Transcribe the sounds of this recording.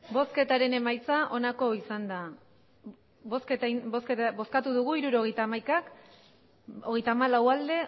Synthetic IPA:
bo̞ske̞t̪aɾe̞ne̞majt͡saʔo̞nako̞isand̪a | bosket̪bosket̪bo̞skat̪uðuɣ̞uiɾuɾo̞ɣe̞jt̪aːmajkak | o̞ɣe̞jt̪aːmalawald̪e̞

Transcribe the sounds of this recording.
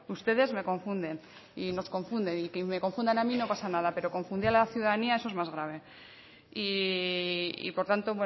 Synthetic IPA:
ust̪e̞ðe̞zme̞ko̞ɱfund̪e̞n | ino̞sko̞ɱfund̪e̞nikeme̞ko̞ɱfund̪anamino̞pasanaðape̞ɾo̞ko̞ɱfund̪ialaθjuðaðaniae̞so̞ezmazɣ̞ɾaβ̞e̞ | i | ḭpo̞ɾt̪ant̪oβwe

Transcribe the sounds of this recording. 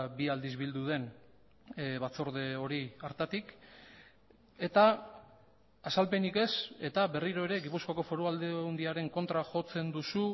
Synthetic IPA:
biald̪izβild̪uðe̞n | βat͡so̞ɾðe̞o̞ɾiaɾt̪at̪ik | e̞t̪a | salpe̞nike̞se̞t̪aβe̞riɾo̞e̞ɾe̞ɡipuskoako̞fo̞ɾuald̪eund̪iaɾe̞ŋko̞nt̪ɾaʝo̞t͡se̞nd̪usu

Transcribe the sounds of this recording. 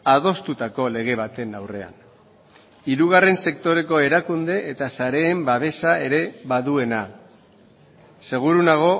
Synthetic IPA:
aðo̞st̪ut̪ako̞le̞ɣ̞e̞β̞at̪e̞nawre̞a̰n | iɾuɣ̞are̞nse̞k̚t̪o̞ɾe̞ko̞e̞ɾakund̪e̞ːt̪asaɾe̞ːmbaβ̞e̞sae̞ɾe̞βaðue̞na | se̞ɣ̞uɾunaɣ̞o̞

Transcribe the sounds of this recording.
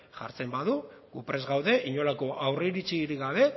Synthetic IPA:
ʝa̰ɾt͡se̞mbaðuɡupɾe̞zɣawðe̞ʔiɲo̞lako̞ʔawreɾit͡ʃiːɾiɣaβ̞e̞

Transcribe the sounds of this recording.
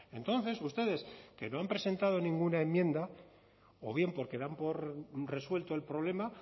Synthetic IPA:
e̞nt̪o̞n̟θe̞sust̪e̞ð̞e̞ske̞no̞ampɾe̞se̞nt̪að̞o̞nĩŋɡunaemːjẽ̞nd̪a | o̞̰βje̞mpo̞ɾke̞ðampo̞ɾre̞swe̞lt̪o̞e̞lpɾo̞β̞le̞ma

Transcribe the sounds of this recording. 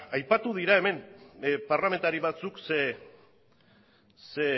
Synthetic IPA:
ajpat̪uð̞iɾae̞me̞mparlame̞nt̪aɾiβat͡sukse | se

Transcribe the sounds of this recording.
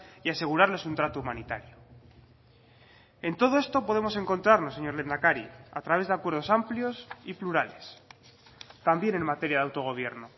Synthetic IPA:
iase̞ɣuɾaɾle̞sunt̪ɾat̪oumanit̪a̰ɾjo | e̞nt̪o̞ð̞o̞e̞st̪o̞po̞ð̞e̞mo̞se̞ŋko̞nt̪ɾaɾno̞se̞ɲo̞ɾle̞nd̪akaɾia̰t̪ɾaβe̞zðakwe̞ɾð̞o̞sampljo̞sipluɾale̞s | t̪ambje̞ne̞nmat̪e̞ɾjaðawt̪o̞ɣ̞o̞β̞je̞ɾno

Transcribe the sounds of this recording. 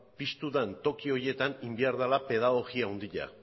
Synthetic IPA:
pist̪uðant̪o̞kio̞ɾje̞t̪animbiaɾðalape̞ðaɣ̞o̞ɣiauwnd̪iʎa̰

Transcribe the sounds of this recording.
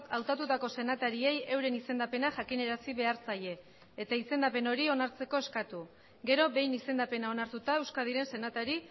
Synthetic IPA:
awt̪at̪ut̪ako̞se̞nat̪aɾie̞je̞wɾe̞nise̞nd̪ape̞naʝakine̞ɾasiβe̞aɾt͡saʎe̞ː | t̪aise̞nd̪ape̞no̞ɾio̞naɾt͡se̞ko̞e̞skat̪u | ɡe̞ɾo̞βe̞jnise̞nd̪ape̞nao̞naɾt̪ut̪ae̞wskað̞iɾe̞nse̞nat̪aɾi

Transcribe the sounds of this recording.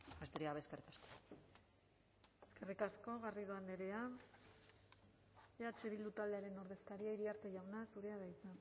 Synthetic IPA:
best̪eɾiaβeskerikasko | eske̞rikasko̞ɣariðoand̪eɾe̞a | at͡ʃeβild̪ut̪ald̪eaɾe̞no̞ɾðe̞skaɾiaiɾiaɾt͡s̪eʝawnasuɾe̞aðajt͡sa

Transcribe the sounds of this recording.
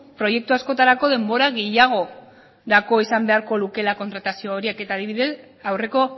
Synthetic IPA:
pɾo̞je̞k̚t̪uasko̞t̪aɾako̞ðe̞mbo̞ɾaɣe̞jaɣ̞o̞ | ɾako̞isambe̞aɾko̞luke̞lako̞nt̪ɾat̪asioːɾieke̞t̪aːðiβiðe̞s | awre̞ko̞

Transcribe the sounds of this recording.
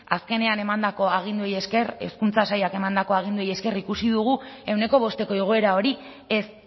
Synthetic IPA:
aske̞ne̞ane̞mand̪ako̞aɣ̞ind̪ueje̞skere̞̰skunt͡sasajake̞mand̪ako̞aɣ̞ind̪ueje̞ske̞rikusiðuɣ̞ue̞wne̞ko̞β̞o̞st̪e̞ko̞eɣ̞o̞e̞ɾao̞ɾi | e̞s

